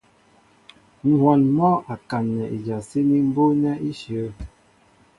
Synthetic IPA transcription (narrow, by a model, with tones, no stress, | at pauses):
ŋ̩˦hwɔ˨nmɔ˦a˨ka˨nːɛ˨ʔi˨d͡ʒa˨si˦ni˦m̩˦bo˦nɛ˦i˦ʃjə˨˦